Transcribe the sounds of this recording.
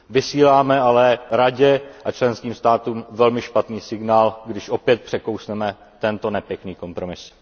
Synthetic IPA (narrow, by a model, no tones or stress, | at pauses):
vɪsiːlaːmɛalɛɾaɟɛʔat͡ʃlɛnskiːmst̪aːt̪uːmvɛlmɪʃpat̪niːsɪɡnaːlɡdɪʃʔo̞pjɛt̪̚pr̥ɛko̞wsnɛmɛ | t̪ɛnt̪o̞nɛpjɛkniːko̞mpɾo̞mɪs